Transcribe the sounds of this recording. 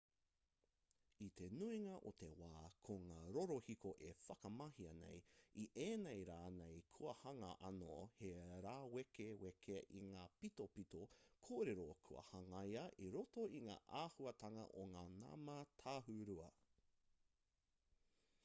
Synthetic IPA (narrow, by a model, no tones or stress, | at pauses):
it̪e̞nuiŋɐʔot̪e̞waːkʰoŋaːɾoɾohikoʔefɐkɐmɐhiɐnḛjiʔeːnejɾaːnejkʰuɐhɐŋɐʔɐnoheɾaːwekewekʰeʔiŋaːpitopitokʰoːɾeɾokʰuɐ̰hɐŋɐjɐʔiɾotoiŋa̰ːʔaːhuɐtʰɐŋɐ̰ʔoŋaːna̰mɐtʰaːɦuɾuɐ̰